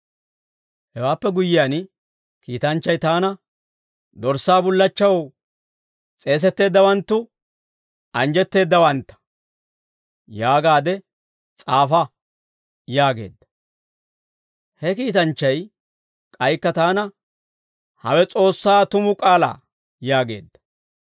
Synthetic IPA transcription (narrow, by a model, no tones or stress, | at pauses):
hɛwaːpːɛɡʊjɪjaːn | kiːt̪ɐnt͡ʃːɐjt̪aːnɐ | d̪ɔɾsːaːbʊlːɐt͡ʃːɐw | t͡sʼe̞ːs̬ɛt̪ːe̞ːd̪ːɐwɐnt̪ːʊ | ɐnd͡ʒɛt̪ːe̞ːd̪ːɐwɐnt̪ːɐ̥ | jaːɡaːd̪ɛ | t͡sʼaːfɐ | jaːɡe̞̰ːd̪ːɐ̥ | hɛkiːt̪ɐnt͡ʃːɐj | kʼɐjkːɐt̪aːnɐ | hɐ̰wɛt͡sʼo̞ːsːaːt̪ʊmʊkʼaːla̰ː | jaːɡe̞̰ːd̪ːɐ